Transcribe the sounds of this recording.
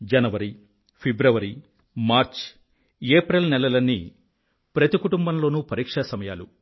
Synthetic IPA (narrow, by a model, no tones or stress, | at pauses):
d͡ʒɐnɐʋɐɾi | pʰibɾɐʋɐɾi | maːɾt͡ʃ | eːpɾɐlnɛlɐlɐnːḭ | pɾɐt̪ikuʈumbɐmlo̞ːnuːpɐɾiːkʂɐsɐmɐjaːlu